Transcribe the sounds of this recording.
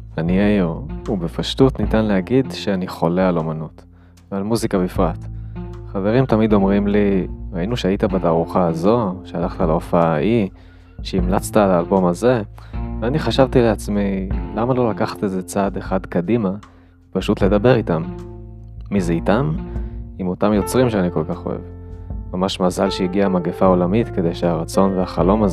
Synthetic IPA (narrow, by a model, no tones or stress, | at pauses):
anijaiʁubefaʃtutnitanlehaɡid̪ʃeaniχo̞le̞alo̞manut | vealmuzikabifʁatχave̞ʁimtamid̪o̞mʁimliʁainuʃeaitabataːʁuχaːzo̞ʃealaχt̪alaofaaʔi | ʃeimlat͡st̪alaːlbo̞maze̞veaniχaʃavt̪ileat͡smilamalo̞lakaχḁteze̞t͡sad̪e̞χad̪kadima | paʃutle̞d̪abe̞ʁitamː | izeitamimo̞tamjo̞t͡sʁimʃeaniko̞lkaχo̞̰ḛvmamaʃmazalʃejiɡiamaɡefao̞lamit̪ke̞d̪e̞jʃeaʁat͡so̞nveaχalo̞maz